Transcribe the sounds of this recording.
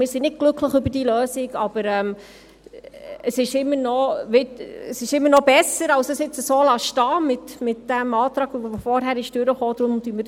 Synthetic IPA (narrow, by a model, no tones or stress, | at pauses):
mɪːɾsinɪd̚ɡ̥lɵkʰləχʏbəɾd̥iəløːsɪɡɑb̥əɾɛm | əsɪʃɪmːənɔʋɪtəsɪʃɪmːəɾnɔb̥ɛsəɾɑʊsəsɪt͡səsoːlɑːʃtɑːmɪtmɪtd̥æmɑːt̪ɾɑːɡʋʋofɔɾɦæɾɪʃd̥ʏɾəχoːd̪̥ɾʊmʊd̥̪yːmə